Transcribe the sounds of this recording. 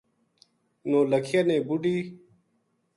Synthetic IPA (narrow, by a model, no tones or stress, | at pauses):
nõːləkʰijanẽːbuɖiː